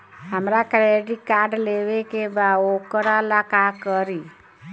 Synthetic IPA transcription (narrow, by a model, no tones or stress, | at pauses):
həmɾakɾeɖikaɾɖlewekebaokəɾalakakəɾi